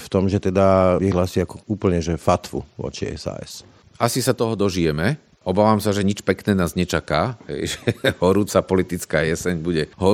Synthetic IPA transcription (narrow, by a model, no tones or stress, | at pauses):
ft̪ɔmʒɛt̪ɛd̪aʋiɦlaːsiakɔuːpl̩ɲɛʒɛfat̪fṵʋʊɔ̰t͡ʃiɛ̰sa̰ːɛ̰s | asisat̪ɔɦɔd̪ɔʒijɛmɛ | ɔbaːʋaːmsaʒɛɲit͡ʃpɛknɛːnaːzɲɛt͡ʃakaːɦɛ̰jʒɛhɔɾuːt͡sapɔlit̪it͡skaːjɛsɛɲbuɟɛɦɔ